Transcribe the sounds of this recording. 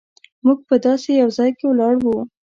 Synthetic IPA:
muɡ̚pəd̪ɑsejawzɑjkewlɑɽwu

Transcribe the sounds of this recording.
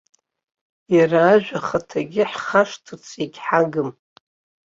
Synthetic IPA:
jaraːʒᶣʷaχatʰaɡʲɪħχaʂtʰɨt͡sʰikʲħaɡɨm

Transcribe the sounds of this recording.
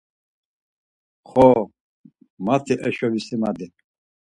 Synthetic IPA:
χɔ | mat̪ʰiʔɛʃɔvisimad̪i

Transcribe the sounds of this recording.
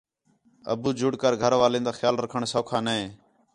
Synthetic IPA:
ə̰buːd͡ʒʊɽkəɾɡʱəɾʋaːlẽːnd̪aːxjaːlɾəkʰəɳsoːkʰaːnəẽː

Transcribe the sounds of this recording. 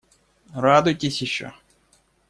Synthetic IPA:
ɾɑd̪ʊjt̪ʲesʲiʃt͡ʃɔ̰

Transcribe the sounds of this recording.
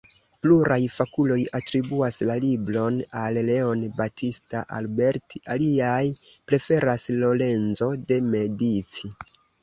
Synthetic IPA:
pluɾajfakulo̞jatɾibuaslalibɾo̞nalle̞o̞nbatʰistaʔa̰lbe̞ɾtialiaj | pɾe̞fe̞ɾaslo̞le̞nzo̞de̞me̞dit͡si

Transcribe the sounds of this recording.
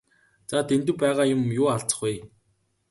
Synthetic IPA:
t͡sat̪ʰent̪ɘ̆w̚pæːʁaːjʊmjʊːaɬt͡sə̥̆χuj

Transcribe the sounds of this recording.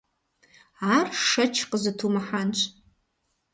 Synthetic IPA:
arʂɐt͡ʃʰqʼəzatʰumaħant͡ʃʷʰʼ

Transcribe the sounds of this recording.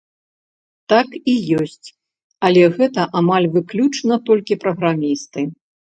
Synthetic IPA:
t̪akijɔsʲt͡sʲ | ɐlʲɛɣɛt̪ɐʔamalʲvɨklʲut͡ʂnɐt̪ɔlʲkʲipɾɐɣɾamʲist̪ɨ

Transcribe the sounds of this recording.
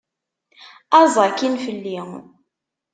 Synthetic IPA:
ɑzˤɑkːinfəlːi

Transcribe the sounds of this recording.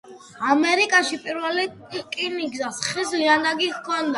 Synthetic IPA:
amɛɾikʼaʃipʼiɾvɛli | kʼiniɡzasχisiand̪aɡikʰɔnd̪a

